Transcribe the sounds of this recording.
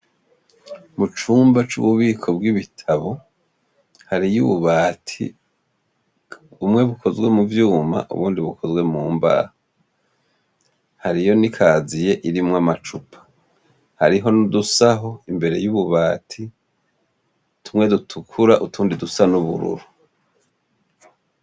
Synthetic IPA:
mut͡ʃuːmbat͡ʃṵβuβiːkʰo̞bɡiβitʰaβo̞ | haɾijuβuβaːtʰḭ | umŋe̞βuko̞zwe̞muvjuːma̰ʔṵβuːndiβukʰo̞zwe̞muːmba̰ha | haɾijo̞nikʰaːzije̞ʔiɾimŋamat͡ʃupʰḁ | haɾiɦo̞nudusaɦo̞imbe̞ɾe̞juβuβaːtʰi | tumŋe̞dutʰukʰuɾaʔutuːndidusanuβṵɾṵɾu

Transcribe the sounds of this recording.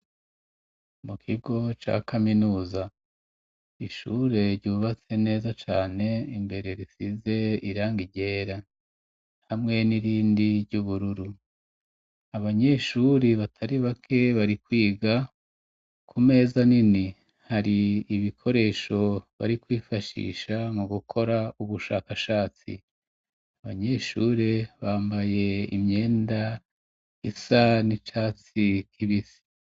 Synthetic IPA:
mukʰiɡo̞t͡ʃa̰kaminuːza | iʃṵɾe̞ɾɟuːβat͡se̞ne̞ːzat͡ʃaːne̞imbe̞ɾe̞ɾisize̞iɾaːŋɡiɟe̞ːɾa | hamŋe̞niɾiːndiɾɟuβuɾuɾu | aβaɲe̞ʃuɾiβatʰaɾiβakʰe̞βaɾikwiːɡa | kʰume̞ːzanini | haɾiːβikʰo̞ɾe̞ːʃo̞βa̰ɾikwiːfaʃḭːʃamuɡukʰo̞ɾauβuʃa̰ːkaʃaːt͡sḭ | aβaɲe̞ʃuːɾe̞βaːmbaje̞ḭmɲe̞ːnda | isanit͡ʃaːt͡sikʰiβisi̥

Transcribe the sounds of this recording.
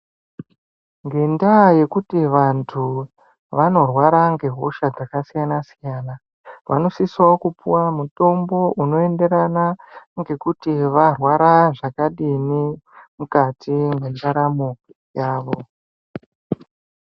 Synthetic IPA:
ŋɡe̞ndaje̞kutiʋantʰu | ʋano̞rwaɾaŋɡe̞ɦoʃad͡zakasijanasijaːna | ʋano̞siswakupuwamuto̞mbo̞ʔuno̞e̞nde̞ɾanaŋɡe̞kutiʋarwaɾaʐakaɗinimukatiŋɡwendaɾamoki | jaːʋo̞

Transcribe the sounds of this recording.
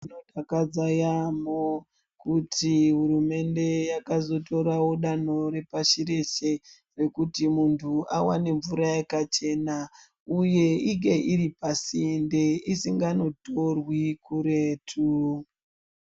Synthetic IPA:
inotakad͡zajamo | kutʰiɦurume̞nde̞jakazo̞to̞ɾawo̞ɗano̞ɾe̞paʃiɾe̞ʃe̞ | re̞kutimuntʰuʔawa̰ne̞ɱvuɾajekat͡ʃe̞na | uje̞iŋɡe̞ʔiɾipasindeisiŋɡano̞to̞rwikuɾeːtʰu

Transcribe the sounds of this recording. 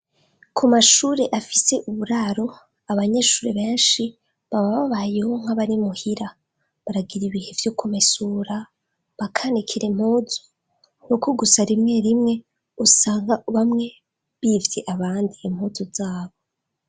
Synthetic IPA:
kʰumaʃuːɾe̞ʔafise̞ʔuβuɾaɾo̞ | aβaɲe̞ʃuːɾeβe̞ːnʃi | βaβaβaβajehoŋ̥haβaɾimuhiɾa | βaɾaɡiɾiβihe̞vjokʰumesuːɾa | βakʰanikʰiɾem̥huːzo̥ | ŋukʰoɡusaɾimŋe̞ɾimŋe̞ | usaːŋɡaβamŋe̞ | βivje̞ʔaβaːndiem̥huzozaːβo

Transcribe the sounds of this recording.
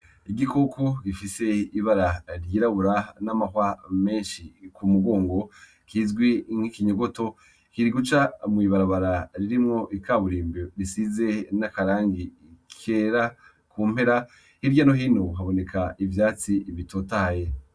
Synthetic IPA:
iɡikokoɡifise̞iβaɾaɾjiːɾaβuɾanamahwame̞ːnʃikumuɡo̞ːŋɡo̞ | kʰiːzɡwiŋ̥hikiɲoɡo̞to̞ | kiɾiɡut͡ʃamŋiːβaɾaβaɾaɾiɾimŋo̞ʔikaːβuɾiːmboɾisize̞nakaɾaːŋɡi | kʰeɾa | kuːm̥he̞ɾa | hiɾɟanoɦinoɦaβo̞ne̞kʰaivjaːt͡siβitʰotahaje

